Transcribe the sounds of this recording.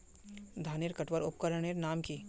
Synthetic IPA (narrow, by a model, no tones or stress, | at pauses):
d̪ʱaːnɪɾkɐʈʋəɾʊp̚kəɾəɽ̃eɾnaːmkiː